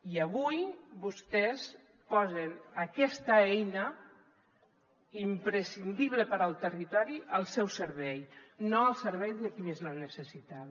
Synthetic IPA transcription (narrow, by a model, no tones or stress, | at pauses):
iəβujbust̪ɛs | pɔzənəkɛst̪əɛjnə | impɾəsind̪iβləpəɾalˠt̪ərit̪ɔɾiʔəlˠsɛwsəɾβɛjnoəlˠsəɾβɛjzðəkimezlanːəsəsit̪a